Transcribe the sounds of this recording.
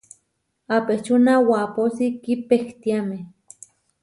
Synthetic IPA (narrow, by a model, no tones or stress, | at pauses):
apet͡ʃunawaposikipekt̪iameh